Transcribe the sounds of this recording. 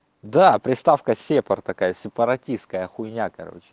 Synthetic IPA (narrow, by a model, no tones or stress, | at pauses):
d̪apɾʲɪst̪afkəsʲepərt̪ɐkajəsʲɪpəɾɐtʲist̪̚kəjəxʊjnʲakɐɾo̰t͡ɕɪ̥